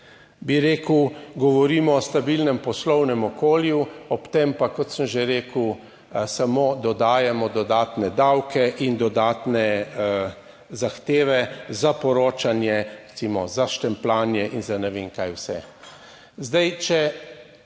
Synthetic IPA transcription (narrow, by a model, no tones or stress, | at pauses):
biɾeːkwɡɔʋɔɾiːmɔːst̪abilnɛmpɔslɔwnɛmɔkoːljuɔpt̪empakɔt̪səmʒeɾeːkəw | samoːd̪ɔd̪aːjɛmɔd̪ɔd̪aːt̪nɛd̪awkɛʔind̪ɔd̪aːt̪nɛ | zaxt̪eːʋɛzapɔɾoːt͡ʃanjɛɾɛt̪simɔzaʃt̪ɛmplaːnjɛʔinzanɛʋeːŋkaːjwsɛ̰ | zd̪ajt͡ʃɛ